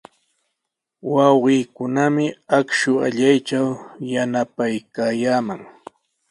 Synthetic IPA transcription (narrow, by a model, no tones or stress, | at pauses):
wɑwɢiːkʊnamɪakʃʊaʎajt͡ʃawjanapajkaːjaːmaŋ